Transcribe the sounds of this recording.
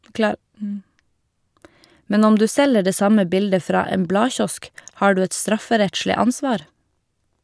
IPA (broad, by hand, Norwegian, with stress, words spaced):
ˈmɛn ˈɔm ˈdʉː ˈsɛlə ˈɖeː ˈsɑmə ˈbɪldə ˈfɾɑː ˈeːm ˈblɑːˌçɔsk ˈhɑː ˈɖʉː ˈɛt ˈstɾɑfəˌɾɛtʃlɪ ˈɑnˌsʋɑːɾ